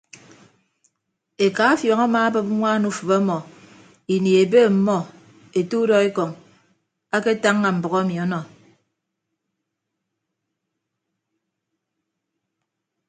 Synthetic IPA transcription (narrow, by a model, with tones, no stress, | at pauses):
e˨ka˨˦fjɔ˨ŋa˦ma˦a˦bɨ˦p̚ŋʷa˦nu˦˨fɨ˨ba˦mɔ˨ | i˨ni˨e˨be˦˨m̩˨mɔ˦ | e˨tu˦dɔ˦e˦kɔ˨ŋ | a˦ke˦ta˦ŋːa˨m̩˨bɔ˨ɣɔ˦mi˨ɔ˦nɔ˨